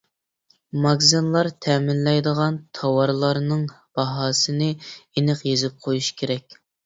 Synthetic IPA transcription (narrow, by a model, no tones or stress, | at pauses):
mɑɡzɨnlˠɑɾt̪ʰɛmɪnlɛjd̪əʁɑnt̪ʰɑwɑɾlˠɑɾnɨŋ | b̥ɑɦɑːsɨnɨenɪqjezɪp̚qʰojuʃkʲʰeɾɛk̚ʲ